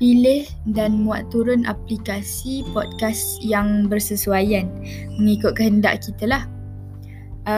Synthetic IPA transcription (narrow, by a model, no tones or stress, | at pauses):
pilɪh | danmũa̰t̪uɾʊnʔa̰plikasipɔd̪̚kas | jaŋbərsəsuajan | məŋikʊt̪̚kəɦənda̰ʔkit̪əlah